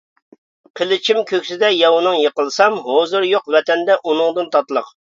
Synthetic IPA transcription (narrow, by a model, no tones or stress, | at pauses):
qʰəlˠɪt͡ʃʰimkʲʰøkʲsɪd̪ɛjɑwnɨŋjəqəlˠsɑmɦozɨɾjoqvɛt̪ʰɛnd̪ɛʔunɨŋd̪ɨnt̪ʰɑt̪lˠəq